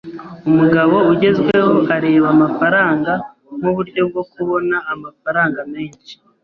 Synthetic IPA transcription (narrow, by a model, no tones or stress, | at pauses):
umuɡaβo̞uɟe̞zɡwe̞ho̞ʔaɾe̞ːβamafaɾaːŋɡa | muβuɾɟo̞b̚ɡo̞kuβo̞naʔːmafaɾaːŋɡame̞ːɲt͡ʃi̥